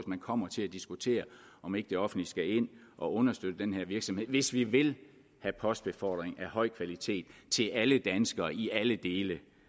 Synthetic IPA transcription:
smænkʰɒ̽m̰ɐt͡sʰe̝æd̥isɡ̥ut͡sʰe̝̰ːɐ | ʔɒ̽me̝ɡ̥əd̥e̝ɒ̽fn̩dlisɡ̥æe̝n̰ʔɒ̽ʔɔ̽nɐsd̥ød̥əd̥enɦeɐʋiɐɡ̥sɒ̽mhe̝ð̰ˠʋe̝sʋiʋe̝l | hæpʰɒ̽sd̥b̥e̝fɒ̰d̥ʁeŋæhɒ̽ɪ̰kʰʋælit͡sʰe̝̰ːd̥t͡sʰe̝lʔæləd̥ænsɡ̥ɐːiʔæləd̥e̝ːlə

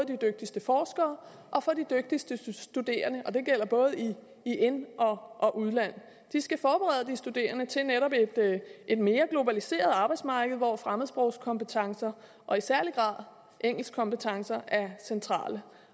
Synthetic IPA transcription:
ðˠəd̥id̥øɡ̥̚d̥isd̥əfɒːsɡ̥ɐː | ʔɒ̽fɒ̽did̥øɡ̥̚d̥isd̥əsd̥ud̥e̝̰ːɐnəʔɒ̽d̥e̝ɡ̥el̰ɐb̥ɔ̽ːð̞̩ˠi | ienʔɒ̽ʔɒ̽ʔuðˠlæn̰ | d̥isɡ̥æfɒːb̥eʁɛð̞̰ˠəd̥isd̥ud̥e̝̰ːɐnət͡sʰe̝lneɾɒ̽b̥ed̥e̝d̥me̝ːɐɡ̥lo̝bælise̝̰ːɐð̞̩ˠɑ̈ːb̥aɪd̥smɑ̈ːɡ̥əʋɒfʁaməðˠsb̥ʁɔʊ̰skʰɒ̽mpət͡sʰɑ̈ŋsɐ | ʔɒ̽isæɐliɡ̥ʁɑ̰̈ð̰ˠ | ʔeŋ̰l̩skʰɒ̽mbpət͡sʰɑ̈ŋsɐæɐsent͡sʰʁɑ̰̈ːlə

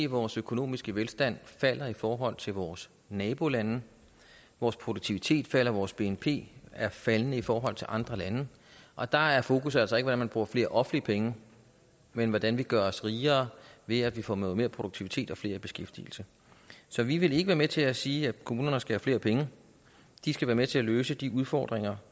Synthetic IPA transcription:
iʋɒːsøkʰo̝no̝̰ːmisɡ̥əʋelsd̥æn̰fæl̰ɐifɒːɦɒ̽l̰t͡sʰe̝lʋɒːs | nɛːb̥o̝lænə | ʋɒːspʰʁo̝d̥oɡ̚t͡sʰiʋit͡sʰe̝̰ːd̥fæl̰ɐʋɒːsb̥e̝enpʰe̝̰ːæɐfælənəifɒːɦɒ̽l̰t͡sʰe̝lʔɑ̈nd̥ʁɐlænə | ʔɒ̽d̥ɑ̈æɐfo̝ːkʰus̬ælsɒe̝ɡ̥ʋdænmænb̥ʁuːɐfle̝ːɐʔɒ̽fn̩liəpʰeŋə | menʋɒd̥ænʋiɡ̥ɶɐɒ̽sʁiːɐːʋe̝æʋifɒ̰ːnɔːð̞̩ˠme̝ːɐpʰʁo̝d̥oɡ̚t͡sʰiʋit͡sʰe̝̰ːd̥ɒ̽fle̝ːɐb̥e̝sɡ̥efd̥ḭl̩sə | sɒ̽ʋiʋe̝le̝ɡəʋæːɐmet͡sʰe̝læsiːækʰomuːnɐnəsɡ̥æhæfle̝̰ːɐpʰeŋə | d̥isɡ̥æʋæːɐmet͡sʰe̝æløːsəd̥iuð̞ˠfɒ̰ːd̥ʁeŋɐ

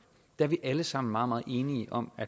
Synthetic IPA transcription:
d̥æɐʋiʔæləsɑ̈m̰n̩mɑ̈ːðˠmɑ̈ːð̩ˠe̝ːniəʔɒ̽mæ

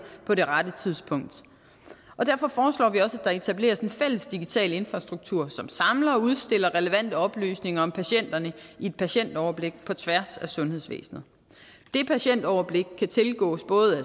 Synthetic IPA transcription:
pʰɒ̽ɾe̝ʁad̥ət͡sʰiðˠspʰɔ̽ŋ̰d̥ | ʔɒ̽d̥æɐfɒ̽fɒːslɒ̰ːʋiɒ̽səæd̥ɑ̈e̝t͡sʰæb̥le̝̰ːɐse̝nfel̰əsd̥iɡ̥it͡sʰɛ̰ːləe̝nfʁɑ̈sd̥ʁuɡ̥̚t͡sʰuɐ̰sɒ̽msɑ̈mlɐɒuð̞ˠsd̥e̝lɐʁɛləʋæn̰d̥əɒ̽b̥ly̰ːsne̝ŋɐɒ̽mpʰæɕen̰d̥ɐnəie̝d̥̚pʰæɕen̰d̥ɒʊɐb̥le̝ɡ̥̚pʰɒ̽t͡sʰʋæɐsæsɔ̽nheðˠsʋḛːsn̩ð̩ˠ | d̥e̝pʰæɕen̰d̥ɒʊɐb̥le̝ɡ̥̚kʰːæt͡sʰe̝lɡ̥ɔ̰̽ːsb̥ɔ̽ːð̩ˠæ

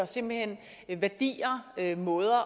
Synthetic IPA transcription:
ɒse̝m̰b̥l̩hen̰ | ʋæɐd̥ḭːɐømɔ̽ːð̞ˠɐ

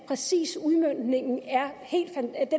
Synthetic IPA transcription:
pʰʁɛsḭːsuðˠmøn̰d̥ne̝ŋ̰n̩æɐhe̝̰ːld̥fænd̥e

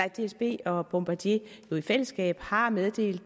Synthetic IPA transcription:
ɑ̥d̥e̝esb̥e̝̰ːɒ̽b̥ɔmb̥ɑd̥je̝ | jo̝ifel̰əsɡ̥ɛ̰ːb̥hɑ̈með̞ˠd̥e̝̰ːld̥

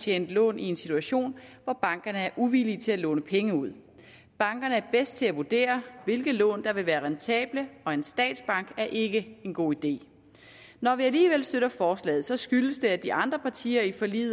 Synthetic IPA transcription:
t͡ɕʰeːnd̥lɔ̰̽ːnʔie̝nsit͡sʰuæɕo̝̰ːnʋɒb̥ɑ̈ŋɡ̥ɐnəæɐʔuʋilit͡sʰe̝lælɔ̰ːnəpʰeŋəuð̞̰ˠ | b̥ɑ̈ŋɡ̥ɐnəæɐb̥esd̥̚t͡sʰe̝læʋud̥e̝̰ːɐʋe̝lɡ̥ð̩ˠlɔ̰̽ːnd̥ɑ̈ʋe̝ʋæːɐʁɛnt͡sʰɛ̰ːb̥ləɒ̽e̝nsd̥ɛ̰ːd̥sb̥ɑ̈ŋ̰ɡ̥æɐʔe̝ɡ̥əe̝nɡ̥o̝̰ːid̥e̝̰ː | nɒʋiæliːʋel̰sd̥øɾ̥ɐfɒːslɛ̰ːð̩ˠsɒ̽sɡ̥yləsd̥e̝æd̥iʔɑ̈nd̥ʁɐpʰɑ̈t͡sʰḭːɐifɒ̽lḭːð̩ˠ

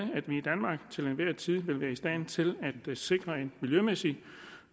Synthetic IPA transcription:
əæd̥ʋiːd̥ænmɑ̈ːɡ̥t͡sʰe̝lenʋæɐ̰t͡sʰiðˠʋe̝lʋæːɐisd̥ɛ̰nt͡sʰe̝læd̥se̝ɡ̥ʁɐe̝nmiljømesi

